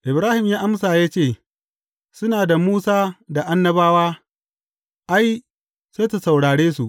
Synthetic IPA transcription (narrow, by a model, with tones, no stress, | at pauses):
ʔɪ˨bɾaː˦hɪ˨mjaː˦ʔa˦msaː˨ja˦t͡ʃeː˦˨ | sʊ˦naː˨da˨muː˦saː˦da˨ʔa˦nːɐ˦baː˦waː˦ | ʔa˦j | seː˦tu˨sa˨wɽaː˨ɽeː˦su˨ʔ